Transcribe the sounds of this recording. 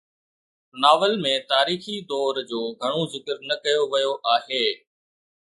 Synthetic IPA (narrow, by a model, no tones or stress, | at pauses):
naːʋəlmẽt̪aːɾiːxid̪ɔːɾd͡ʑoːɡʱɐɽ̃ozɪkəɾnɐkɐjoʋɐjoʔaːɦeː